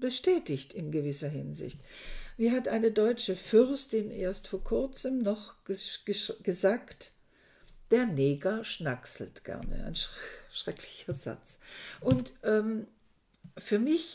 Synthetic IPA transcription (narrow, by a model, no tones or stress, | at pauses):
b̥əʃtɛːtɪçtɪnɡəvɪsɐɦɪ̰nzɪ̰çtviːɦatʔaɪnədɔʏt͡ʃəfʏʁstɪnʔeːɐstfoːɐkʰʊɐt͡səmnɔχɡ̥ə̥əɡ̥əzaːkt | d̥eːɐneːɡɐʃnaksl̩tɡ̥ɛ̰ɐnə̰ʔa̰ɪnʃʃʁ̥ɛkʰlɪçɐz̥a̰t͡sʔʊntʔɛːm | fyːɐmɪç